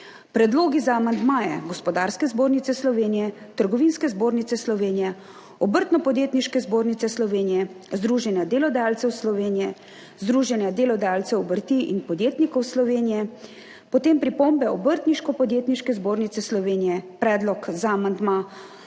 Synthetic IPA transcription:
pɾɛd̪loːɡizaːmand̪maːjɛ̰ɡɔspɔd̪aɾskɛzboːɾnit̪sɛslɔʋeːnijɛt̪əɾɡɔʋinskɛzboːɾnit̪ɛslɔʋeːnijɛ | ɔbəɾt̪nɔpɔd̪jeːt̪niʃkɛzboːɾnit̪sɛslɔʋeːnijɛzd̪ɾuːʒɛnjad̪eːlɔd̪ajaːlt̪sɛwslɔʋeːnijɛ | zd̪ɾuːʒɛnjad̪eːlɔd̪ajaːlt̪sɛɔbəɾt̪iʔḭnpɔd̪jeːt̪nikɔwslɔʋeːnijɛ | pɔt̪eːmpɾipombɛɔbəɾt̪niʃkɔpɔd̪jeːt̪niʃkɛzboːɾnit̪sɛslɔʋeːnijɛpɾɛːd̪lɔkzaːmand̪ma

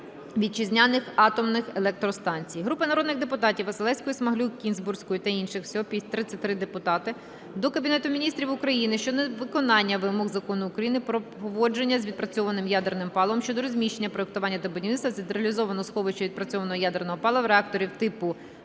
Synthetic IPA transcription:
ʋʲid̪̚t͡ʃizʲnʲanɪxɑt̪ɔmnɪxelˠɛk̚t̪ɾɔst̪ɑnʲt͡sʲijɦɾupɪnɐɾɔd̪nɪɣd̪epʊt̪ɑtʲiwʋɐsɨlˠɛsʲkɔjsmɐɦlʲˠukʲinzbursʲkɔjʊt̪ɐinʃɪxwsʲɔɦɔpʲisʲt̪ɾɪsʲɐt̪ʲɾɪd̪epʊt̪ɑt̪ɪ | d̪ɔkɐbʲinɛt̪ʊmʲinʲist̪ɾʲiʋʊkɾɐjinɪʃt͡ʃɔnɛʋɪkɔnɑnʲːɐʋɪmɔɣzɐkɔnʊːkɾɐjinɪpɾɔpɔʋɔd͡ʒenʲːɐzʲʋʲid̪̚pɾɐt͡sʲɔʋɐnɪmjad̪ernɪmpɑlˠɔmʃʲt͡ʃɔd̪ɔɾɔzʲmʲiʃt͡ʃenʲːɐpɾɔek̚t̪ʊʋɑnʲːɐt̪ɐbɔdʲinɪsɐzʲid̪eɾɐlʲizɔʋɐnɔsxɔʋɪʃt͡ʃɐʋʲid̪pɾɐt͡sʲɔʋɐnɔɦɔjad̪ernɔɦɔpɑlˠɐwɾeɑk̚t̪ɔɾʲiwt̪ɪpʊ

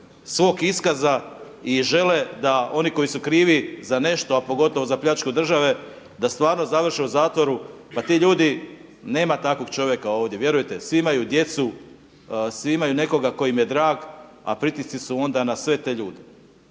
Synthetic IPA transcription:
sʋo̞ːɡiskaza | iʒe̞le̞d̪ao̞niko̞jisukɾiːʋizane̞ʃt̪o̞apo̞ɡo̞t̪o̞ʋo̞zapʎʲat͡ʃkud̪r̩ʒaʋe̞ | d̪ast̪ʋaːɾno̞zaʋr̩ʃeuzaːt̪ʋo̞ɾupat̪iːʎuːd̪i | ne̞ːmat̪ako̞ɡt͡ʃo̞ʋje̞kao̞ːʋd̪je̞ʋje̞ɾujet̪e̞sʋimajud̪je̞t̪su | sʋiimajune̞ko̞ɡako̞jimje̞d̪ɾaːɡ | a̰pɾit̪isisuo̞nd̪anasʋe̞t̪e̞ːʎuːd̪e

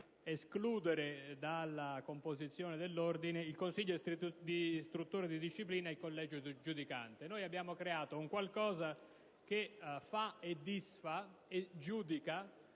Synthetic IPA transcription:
eskluːd̪eɾed̪alːakompozit̪sːjoːned̪elːord̪ineilkonsiʎːod̪ist̪ɾut̪ːuːɾad̪id̪iʃːipliːnailkolːɛːd͡ʒod̪d͡ʒud̪ika̰nt̪enoːjabːjaːmokɾeaːt̪ouŋkwalkɔːza | k̟efaed̪ːisfaed͡ʒuːd̪ika

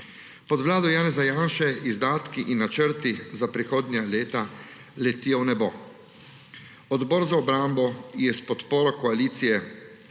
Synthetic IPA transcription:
pɔd̪ʋlaːd̪ɔjaːnɛzajanʃɛizd̪aːt̪kiʔinːat͡ʃəɾt̪izapɾixoːd̪nʲjaleːt̪a | lɛt̪iːɔwnɛbo̰ | ɔd̪bɔːɾzaɔbɾaːmbɔjɛspɔt̪poːɾɔkɔaliːt̪sijɛ

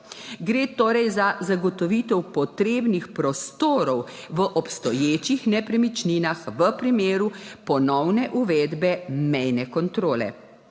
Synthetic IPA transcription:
ɡɾeːt̪oːɾɛjzazaɡɔt̪ɔʋiːt̪ɛwpɔt̪ɾeːbnixpɾɔst̪oːɾɔwʋəʔɔpst̪ɔjeːt͡ʃixnɛpɾɛmit͡ʃniːnaxʋəpɾimeːɾupɔnɔwnɛʔuʋɛːd̪bɛmɛjnɛkɔnt̪ɾoːlɛ̰

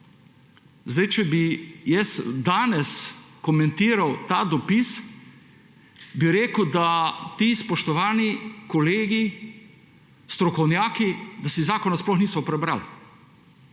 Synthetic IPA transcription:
zd̪ɛjt͡ʃɛbijɛsd̪aːnɛskɔmɛ̃nt̪iːɾawt̪aːd̪ɔpis | biɾeːkəwd̪at̪iːspɔʃt̪ɔʋaːnikɔleːɡi | st̪ɾɔkɔwnjaːkid̪asizaːkɔnasplɔxniːsɔpɾɛbɾaːl

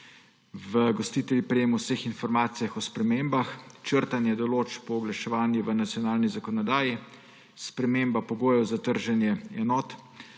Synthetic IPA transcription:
ʋəɡɔst̪iːt̪ɛljipɾɛjeːmɔwsəxinfɔɾmaːt̪sijaxɔspɾɛmembaxt͡ʃəɾt̪anjɛd̪ɔloːt͡ʃpɔːɡlaʃɛʋaːnjuʋənat̪sjɔnaːlnizakɔnɔd̪aːji | spɾɛmeːmbapɔɡoːjɛwzat̪əɾʒɛnjɛɛnɔːt̪

